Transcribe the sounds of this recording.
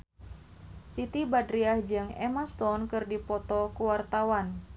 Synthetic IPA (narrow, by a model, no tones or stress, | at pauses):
sit̪ibadɾiahd͡ʒɨŋɛmast̪ɔnkɨrdipɔt̪ɔkuwart̪awan